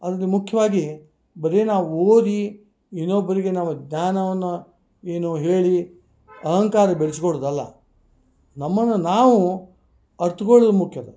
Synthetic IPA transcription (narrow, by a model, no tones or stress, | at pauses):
ɐd̪ɐlːimukʰjɐʋaːɡi | bɐɾenaːʋuoːd̪i | inːobːɐɾiɡe̞nɐʋːɐɡɲaːnɐʋɐnːu | eːnuɦeːɭi | ɐɦɐŋkaːɾɐbeɭiskoɭud̪ɐlːɐ̰ | nɐmːɐnːunaːʋu | ɐɾt̪ukoɭud̪umukʰjɐd̪ɐ